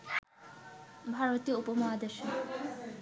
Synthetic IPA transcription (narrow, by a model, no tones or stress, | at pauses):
bʱaɾot̪ioupomoad̪eʃo